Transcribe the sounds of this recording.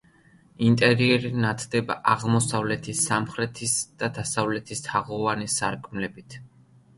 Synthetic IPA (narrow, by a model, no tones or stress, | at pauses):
int̪ʼɛɾiɛɾinat̪ʰd̪ɛba̰ʔaʁmɔsavlɛt̪ʰisamχɾɛt̪ʰisd̪̥ad̪asavlɛt̪ʰist̪ʰaʁɔvanisaɾkʼmlɛbit̪ʰ